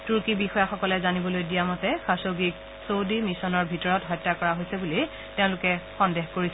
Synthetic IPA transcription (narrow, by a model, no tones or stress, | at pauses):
tuɹkibixɔjaxɔkɔlɛzanibɔlojdijamɔtɛxasoɡik̚ | sowdimisɔnɔɹbʱitɔɹɔtɦɔjtːakɔɹaɦojsɛbuli | teʊ̃lʊkɛxɔndexkoɹisɛ